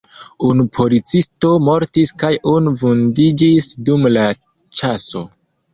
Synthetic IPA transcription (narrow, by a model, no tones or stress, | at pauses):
unupʰo̞lit͡sisto̞mo̞ɾtiskajunuvundid͡ʒisdumla | t͡ʃaso̞